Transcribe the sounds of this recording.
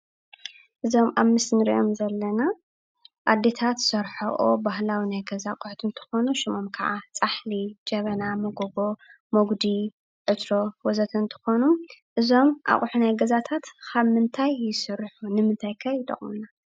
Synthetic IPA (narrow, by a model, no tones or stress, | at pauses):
ʔɨzo̞mʔaβmɨsnɨɾḭʔomzɐlːɐna | ʔad̪e̞t̪ʰat̪sɐɾħɐʔobaɦlawinajɡɐzaqʼʊħt̪ʰɨnt̪ʰɨ̥xo̞nuʃimomkʰɐaʕat͡sʼaħlid͡ʒɐβɐnamoɡobo | moɡd̪i | ʕɨt̪ɾowɔzɐt̪ʰɨnt̪ʰɨ̥xo̞nuʔɨzo̞mʔa̰χʼħunajɡɐzat̪ʰat̪kʰaβmɨnt̪ʰajːɪsɨɾħunɨmɨnt̪ʰajkʰɐjɪt̪ʼɐ̰χʼmuna